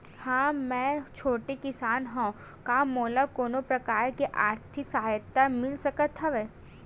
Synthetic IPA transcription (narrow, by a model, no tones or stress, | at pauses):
hãːmɛ̃t͡ʃʰoːʈekɪsaːnɦõ | kamoːlakoːnopɾɐkaːɾkeʔaːɾt̪ʰɪksɐɦaːjət̪ːamɪlsɐkət̪ɦɐʋeː